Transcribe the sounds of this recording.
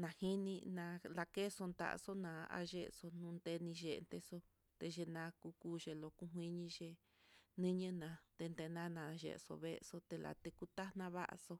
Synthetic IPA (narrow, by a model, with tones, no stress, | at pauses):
nã˨hi˦nĩ˧nã˧la˧ke˦so˧nd̪a̰˨ʔso˦nã˧a̰˧ʒe˦ʔso˧nũ˧nd̪e˧nĩ˧ʒḛ˨˧nt̪e˧so˦ | t̪e˧ʒe˧nã˧ku˧kuː˦ʒe˧lo˧ku˦ɦwʷĩ˦ɲĩ˧ʒe˧ | nĩ˦ɲə̃˦nã˧t̪e˧nd̪e˧nã˦nã˨˧ʒḛ˨˧so̰˧βe˦˧so˦t̪e˧la̰˨t̪e˧ku˦t̪a˦nã˦βa̰˦ʔa̰˧so˧